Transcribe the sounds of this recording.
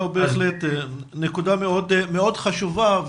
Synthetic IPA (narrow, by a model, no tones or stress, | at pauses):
beːχlet̪ | nekud̪ameod̪meo̞d̪χaʃuvav